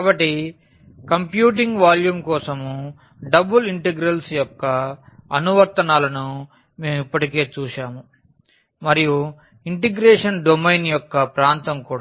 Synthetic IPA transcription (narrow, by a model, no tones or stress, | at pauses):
kaːbɐʈːi | kɐmpjuːʈ̬iŋɡʋaːljuːmkɔːsɐmu | ɖɐbuliɳʈeɡɾɐlsjɔkːɐɐnuʋɐɾt̪ɐnaːlɐnu | me̞ːmipːɐʈike̞ːt͡ʃuːʂaːmu | mɐɾiju | iɳʈeɡɾeːʂɐnɖomɐjnjɔkːɐpɾaːnt̪ɐmkuːɽa